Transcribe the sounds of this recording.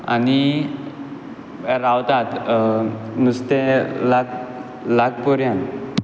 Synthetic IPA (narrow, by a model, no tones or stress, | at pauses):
a̰ni | ɾawt̪at̪ | must̪elak | laɡpɔɾjãn